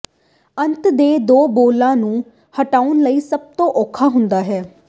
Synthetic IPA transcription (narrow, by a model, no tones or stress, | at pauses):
ənt̪d̪eːd̪oːboːlãːnũː | həʈaːʊnləiːsəb̚t̪õːʔoːkʰːaːɦʊnd̪aːɦɛː